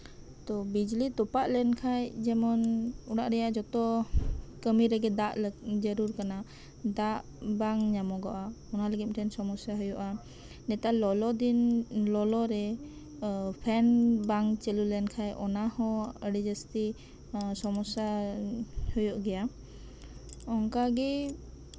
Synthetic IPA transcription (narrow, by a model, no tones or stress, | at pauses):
t̪ɔbid͡ʒlit̪ɔpaʔlɛnkʰajd͡ʒɛmɔnuɽaʔɾɛjaʔd͡ʒɔt̪ɔ | kəmiɾɛɡɛd̪aʔld͡ʒəɾuɾkana | d̪aʔ | baŋɲamɔɡɔʔaɔnaləɡim̚ˀʈʰɛnsɔmɔsjaɦɔjɔʔa | nɛt̪alɔlɔd̪inlɔlɔɾɛ | pʰɛnbaŋt͡ʃəlulɛnkʰajʔɔnahɔ̃əɽid͡ʒəst̪i | sɔmɔsa | həjɔʔɡɛja | ɔŋkaɡɛ